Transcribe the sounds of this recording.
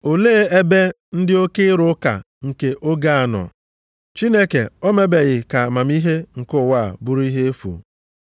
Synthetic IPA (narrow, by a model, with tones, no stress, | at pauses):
o˨leː˦e˦be˦ | n̩˦dɪ˦o˦kɪ˦ɾʊ˦ka̰˨ | ŋ̩˨ke˨ʔo˦ɡa˦a˨nɔ̰˨ | t͡ʃi˦ne˦ke˨o˦me˦be˨ɣɪ˨ka˨ma˨m˦i˦ɦe˦ŋ̩˨kʊ˦˨wa˦˨a̰˨bʊ˦ɾi˦ɦe˦e˦fṵ˨